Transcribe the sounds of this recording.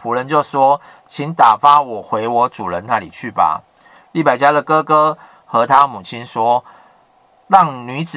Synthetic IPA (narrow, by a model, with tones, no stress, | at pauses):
pʰu˨˦ɻə˧˦nt͡ɕjo˥˩ʊswɔ˦˥ | t͡ɕʰi˨˦nt̪a˨˩fa˦wɔ˨˩xwe˧˦ɪwɔ˨˦t͡su˨˩ɻə˧˦nna˥˨lḭ˨˩t͡ɕʰy˥˩ba̰˨ | li˥˩pa˨˩ɪt͡ɕja˦d̪ə˨kɤ˦kɤ˦ | xɤ˧˦t̪ʰa˦mu˨˩t͡ɕʰi˦˥nswɔ˥ | lɑ˥˩ŋny˧˥t͡sɹ̩˨